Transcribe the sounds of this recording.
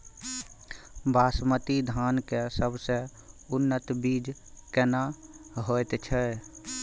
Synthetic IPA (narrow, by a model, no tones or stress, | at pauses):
baːsmət̪id̪ʱankesəbʱse | ʊnːət̪biːd͡ʒ | kɛna | ɦojt̪t͡ʃʰɛ